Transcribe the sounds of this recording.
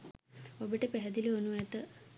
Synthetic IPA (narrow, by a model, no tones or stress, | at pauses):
obəʈəpæɦɛd̪ilionuɛt̪ə